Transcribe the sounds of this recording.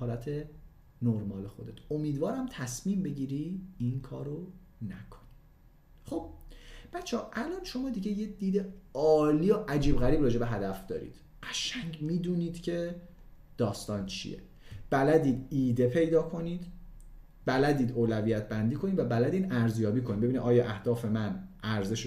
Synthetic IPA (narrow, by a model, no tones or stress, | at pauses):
ɒːlæt̪ʰe̞ | noɾmɒːlexo̞d̪e̞t̪ʰomiːd̪vɒːɾæmt̪ʰæsmiːmbe̞ɟiːɾiːinkʰɒ̰ːɾo | nækʰo̥ni̥ | χob̥̚b̥æt̪t͡ʃʰːeːʔælɒːnʃo̞mɒːd̪iɟe̞jed̪̥iːd̪eɒːliːoʔæd͡ʒiːbɣæɾiːbɾɒːd͡ʒe̞beɦæd̪æfd̪̥ɒ̰ːɾḭːd̪̥ | ɢæʃæŋɡmiːd̪uːniːd̪̥cʰe̞ | d̪̥ɒːst̪ɒːnt͡ʃʰḭjḛ | b̥ælæd̪iːd̪iːd̪epʰe̞jd̪ɒːkʰo̞niːd̪ | bælæd̪iːd̪oːlæviːjæt̪̚ʰbænd̪iːkʰo̞niːd̪væbælæd̪iːd̪æɾzjɒːbiːkʰonid̪beinid̪ʔɒːjɒːʔæhd̪ɒːfe̞mænʔæɾze̞ʃ